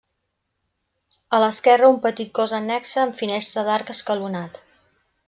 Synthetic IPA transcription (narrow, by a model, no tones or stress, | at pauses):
ələskɛrəumpət̪it̪̚kɔzənɛksəːɱfinest̪ɾəðaɾkəskəlunat̪